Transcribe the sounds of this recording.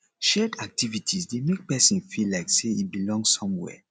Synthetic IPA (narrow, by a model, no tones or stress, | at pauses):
ʃɛdak̚tʰivitʰisdemek̚pɛsĩnfilːaɪkseibilɔ̃ŋsɔ̃mwɛ̰